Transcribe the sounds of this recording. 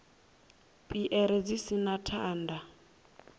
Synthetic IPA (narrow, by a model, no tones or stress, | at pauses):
pʼiʔɛɾɛd͡zisinatʰaːnda